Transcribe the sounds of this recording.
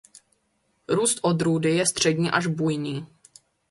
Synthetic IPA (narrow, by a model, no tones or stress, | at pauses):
ɾuːst̪ʔod̪ɾuːdɪjɛst̪r̝̥ɛdɲiːʔaʒbujɲiː